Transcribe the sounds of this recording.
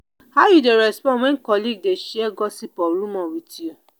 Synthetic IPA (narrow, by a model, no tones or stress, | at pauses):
hajudeɾɛspɔ̃wɛ̃nkɔliɡ̚deʃiɛɡɔsipɔɾũmɔ̃witio